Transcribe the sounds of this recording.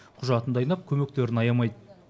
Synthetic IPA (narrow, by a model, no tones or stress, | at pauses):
qʰʊʒɑt̪ənd̪ɑjnɑp̚kʲʰɵme̞k̚t̪e̞ɾɪnɑjɑmɑjd̪ə